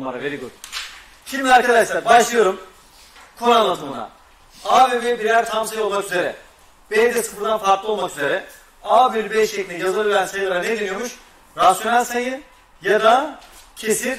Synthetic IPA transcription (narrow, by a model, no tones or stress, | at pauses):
maɾaveɾiɡuɾ | ʃimd̪ʲiaɾkad̪aʃlˠaɾbaʃlʲˠijoɾum | kʰuɾanlˠad̪ɯmɯna̰ | aːbebebiɾæɾt̪ʰamsɯjo̞lˠmakyzeɾɛ | b̥ejd͡ʒɛsɯp̪ɯnd̪anfaɾklˠɯo̞lˠmakyze̞ɾɛ | aːbylybɛt͡ʃʰec̪ʲijazɯlˠyɾænsejɯlˠaɾaned̪enyijomuʃ | ɾasjo̞nalʲsajɯn | jad̪acʰesi